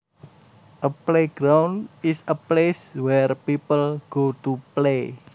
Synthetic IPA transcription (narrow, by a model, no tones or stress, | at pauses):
ʔəpleɡɾawnɪsəpleswɛrpipəlɡ̥otuple